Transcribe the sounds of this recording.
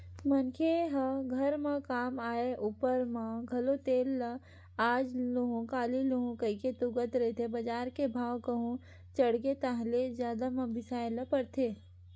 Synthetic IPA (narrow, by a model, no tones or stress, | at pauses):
mɐnkʰeɦəɡʱɐɾmãkaːmaːeʔuːpəɾmãɡʱɐlot̪eːlːə | aːd͡ʒloɦõkaːliloɦõkɐiket̪ʊɡət̪ɾɐet̪ʰebɐd͡ʒaːɾkebʱaːwkɐɦõ | t͡ʃɐɽket̪aɦlezjaːd̪amɐ̃bɪsaːelɐpɐɾt̪ʰeː